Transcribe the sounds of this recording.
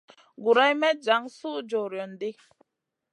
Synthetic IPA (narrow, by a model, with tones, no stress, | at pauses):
ɡu˨ɾa˦jmɛ˦d͡ʒa˨˦ŋsu˦d͡ʒɔ˨ɾjɔ˨ndi˦